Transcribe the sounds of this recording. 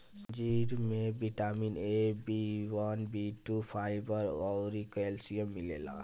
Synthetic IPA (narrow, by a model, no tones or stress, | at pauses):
d͡ʒiɾmebiʈaminebiwʌnbiʈupʰajbʌɾɔwɾikoelsijomːilela̰